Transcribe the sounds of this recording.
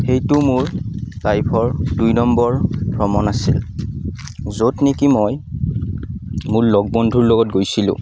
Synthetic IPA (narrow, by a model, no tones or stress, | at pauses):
xejtʊmʊɹkajpʰɔɹdujnɔmbɔɹbɹɔmɔnasil | zotnikimoj | mʊɹlɔɡ̚bɔndʱuɹlɔɡɔt̚ɡojsilʊ̰̃